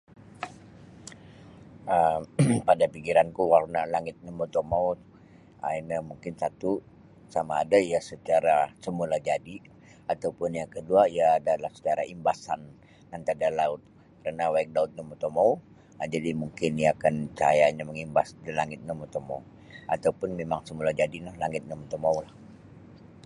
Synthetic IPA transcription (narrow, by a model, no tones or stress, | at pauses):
əmpadapikiɾankuwarnalaŋɪt̪̚namut̪omaw | a̰inamuŋkɪnsat̪u | samaːdaijasət͡ʃaɾasəmulad͡ʒadi | at̪aupʊnjakəduaiaːdalahsə̥t͡ʃaɾaimbasan | kant̪adalaʊt̪̚ | kəɾanawak̚daʊt̪̚ɲamot̪omau | ad͡ʒadimuŋkɪnijaːkant͡ʃa̰jaɲaməŋimbasdəlaŋɪt̪̚namot̪oma̰u | at̪aupʊnmemaŋsəmulad͡ʒadinahlaŋɪt̪̚namot̪omaulah